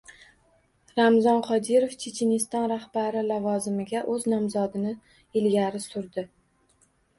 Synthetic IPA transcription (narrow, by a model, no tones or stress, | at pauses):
ɾamzɒnqʰɒd̪ɪɾoft͡ʃʰet͡ʃʰenɪst̪ɒnɾahbaɾɪlavɒzɪmɪɡʲaʔɵznɒmzɒd̪ɪnɪ | ɪlɡʲaɾɪsʊɾd̪ɪ